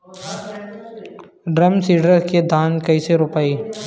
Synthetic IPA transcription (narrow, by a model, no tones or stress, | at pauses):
ɖɾɐmsiːɖəɾked̪ʱaːnkɐiseɾʊpaːiː